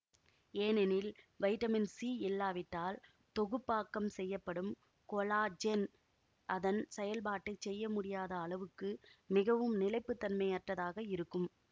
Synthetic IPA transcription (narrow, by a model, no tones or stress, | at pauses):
eːnɛnɪlʋɐɪʈɐmɪnsiːɪlːaːʋɪʈːaːl | t̪ɔɣɯpːaːkːɐmsɛjːɐpːɐɽɯm | kɔlaːd͡ʒɛn | ʔɐðɐnsɛjɐlbaːʈːɐt͡ʃːɛjːɐmʊɽɪjaːðɐːɭɐʋɯkːɯmɪɣɐʋɯmnɪlɐɪpːɯt̪ːɐnmɐjɐʈrɐðaːɣɐɪɾɯkːɯm